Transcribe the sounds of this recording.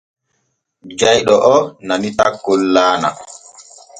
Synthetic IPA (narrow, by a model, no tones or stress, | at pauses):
d͡ʒajɗɔʔɔnamitakːolːaːna̰